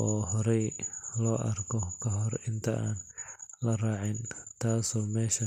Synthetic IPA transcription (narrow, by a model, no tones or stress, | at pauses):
ʔɔːɦɔɾɛjlɔːʔɐrkʰɔkʰɐɦɔrɪnt̪ʰɐʔaːnlɐraːʕɪnt̪ʰaːsɔːmɛːʃɐ